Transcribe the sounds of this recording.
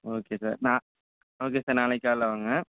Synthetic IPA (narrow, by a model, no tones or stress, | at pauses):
oːkesa̰ːɾnãː | oːk̬esaːɾnaːlɐkːaːlaʋaːŋɡɐ